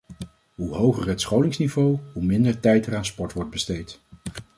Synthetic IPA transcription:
ɦuɦowχəɹətsχowlɪŋsnivowɦumɪndəɹtɛjtəɹaːnspɔɹtʋɔɹd̚bəstejt

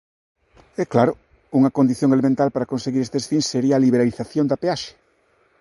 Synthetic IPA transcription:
ɛklaɾʊ | uŋɐkond̪iθjõŋelemẽnt̪alpaɾɐkonseɣiɾest̪eesθinseɾiaːliβeɾaliθaθjõnd̪apeaʃe̥

